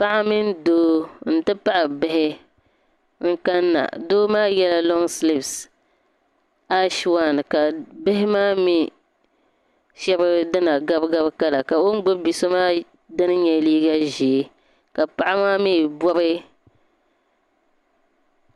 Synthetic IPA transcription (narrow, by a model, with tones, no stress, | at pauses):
pa˦ʔa˦mɪ˦n˦doː˦n̩˦tɨ˦pa˦ʔa˨bɪ˦ɦɪ˦ | ŋ̩˦ka˦nːa̰˨doː˦maː˦jɛ˦la˦lɔ˦ŋslɪ˦ps | a˦ʃwa˦˨n˨ka˨bɪ˦ɦɪ˦maː˦mi˦ | ʃɛ˦bɨ˦dɨ˦na˨ɡa˦bɡa˦bka˦la˨ka˨o˦n˦ɡ͡bʊ˦bi˨so˦maː˦ | dɨ˦nɨ˦ɲɛ˨liː˦ɡa˦ʒi˨˦ | ka˨pa˦ʔa˦maː˦miː˦˨bɔ˦bɨ˦